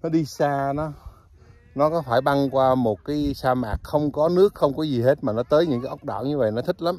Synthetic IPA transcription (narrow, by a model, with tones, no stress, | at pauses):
nɔ˨˦ɗi˧saː˧nɔ˨˦ | nɔ˨˦kɔ˨˦faː˧˩jɓa˧ŋkwaː˧mo˨˩t̚kaː˨˦jsaː˧maː˨˩k̚xə˧wŋ͡mkɔ˨˦nɨ˦˥ək̚xə˧wŋ͡mkɔ˨˦zi˨˩he˦˥t̚maː˨˩nɔ˨˦t̪əː˨˦jɲɨ̰˧˥ŋkaː˦ʔə˦˥wk͡p̚ɗɔ̰ː˧˩ɲɨ˧və̰˧˨jnɔ˨˦t̪ʰï˦˥k̚la˨˦m